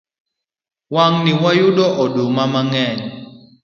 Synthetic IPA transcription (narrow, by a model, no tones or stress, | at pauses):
waŋniwajudɔʔɔdomamaŋɛɲ